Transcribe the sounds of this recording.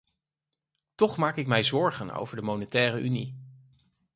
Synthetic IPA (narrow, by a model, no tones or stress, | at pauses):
tɔχmaːkɪk̚mɛjzɔɹχəno̰wvəɹdəmownətɛːrəʔynḭ